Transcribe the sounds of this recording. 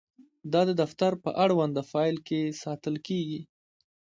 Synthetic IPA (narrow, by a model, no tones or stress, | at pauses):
d̪ɑd̪əd̪aft̪aɾpə̰ʔaɽwand̪afɑjlkesɑt̪əlkeɡi